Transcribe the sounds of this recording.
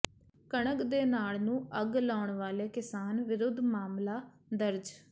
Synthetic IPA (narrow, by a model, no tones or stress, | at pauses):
kəɳ̃əkd̪eːnaːlnũːəɡlaːʊɳʋaːleːkɪsaːnʋɪɾʊd̪ʱːmaːmlaː | d̪əɾd͡ʒ